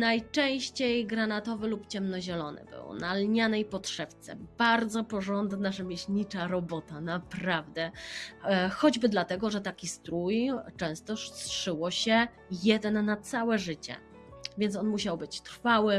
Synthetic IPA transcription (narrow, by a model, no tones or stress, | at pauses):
najt͡ʂɛ̃w̃ɕt͡ɕejɡɾanat̪ɔvɘlupt͡ɕɛmnɔʑɛlɔnɘ̰bɘ̰wnalɲanɛjpɔtʂɛft̪sɛ̰baɾd̪zɔpɔʐɔnd̪naʐɛmʲjeɕɲit͡ʂaɾɔbɔt̪anapɾavd̪ɛ | xɔd͡ʑbɘd̪lat̪ɛɡɔʐɛt̪akʲist̪ɾujt͡ʂɛ̃w̃st̪ɔʂsʂɘwɔɕɛ | jɛd̪ɛnːat̪sawɛʐɘt͡ɕɛ̰ | vʲjɛnt̪ɔnmuɕawbɘt͡ɕt̪ɾfawɘ